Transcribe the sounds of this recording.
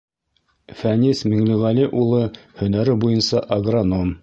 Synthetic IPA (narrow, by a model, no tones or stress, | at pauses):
fænʲismiŋlĭʁæliʔulˠɤhɵ̆næɾɘbujɤnsɑʔɐɡronom